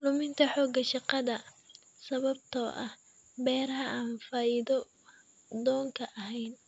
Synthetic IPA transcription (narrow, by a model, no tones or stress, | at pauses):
lʊmɪnt̪ʰɐħɔːɡɐʃɑqɑðɐ | sɐβɐb̚t̪ʰɔːʔɐ̰h | bɛːɾɐɦɐaːnfaːiðɔ | d̪ɔːŋkʰɐʔɐɦɛjn